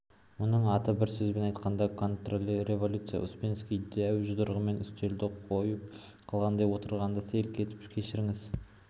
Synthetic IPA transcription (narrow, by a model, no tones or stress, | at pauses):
mʊnəɴɑt̪əbɪɾsɵzbe̞nɑjt̪qɑnd̪ɑkʰo̞nt̪rolʲre̞vo̞lʲut̪sɨja̰ʔʊ̰spʲenskʲijd̪æwʒʊd̪əɾʁəme̞nʏst̪e̞ld̪ɪqʰojəp̚ | qʰɑlˠʁɑnd̪ɑjwo̞t̪əɾʁɑnd̪ɑselkʲʰe̞t̪ɪ̥pkʲʰe̞ʃɪɾɪŋɪz